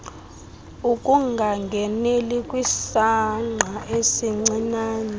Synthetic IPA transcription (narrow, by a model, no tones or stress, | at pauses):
ukʼuŋɡʱaŋɡʱɛnelikʼwisaŋ͡ǀʱaʔesiŋ͡ǀinaːnɛ